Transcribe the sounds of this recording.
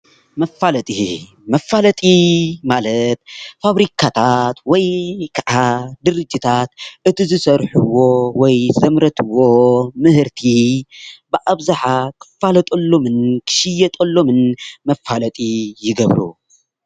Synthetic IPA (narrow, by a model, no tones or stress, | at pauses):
mɐfːalɐt̪ʼi | mɐfːalɐt̪ʼimalɐt̪̚faβɾikʰat̪ʰat̪wɔjkʰɐʔad̪ɨɾɨd͡ʒːit̪ʰat̪ʔɨt̪ʰizɨsɐɾħuwːo̞wɔjzɐmɾɐt̪ʰɨwomɨhɨɾt̪ʰi | bɨʔaβzaħakʰɨ̥fːalɐt̪ʼolːo̞mɨnkʰɨ̥ʃɪjːɛt̪ʼolːo̞mɨnmɐfːalɐt̪ʼijɪɡɐβɾṵ